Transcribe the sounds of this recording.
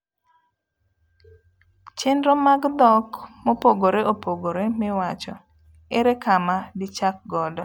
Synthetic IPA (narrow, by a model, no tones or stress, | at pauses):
t͡ʃɪndɾɔmaɡd̪ɔkmopoɡoɾeʔopoɡoɾemɪwat͡ʃɔ | eɾekamadɪt͡ʃak̚ɡɔdɔ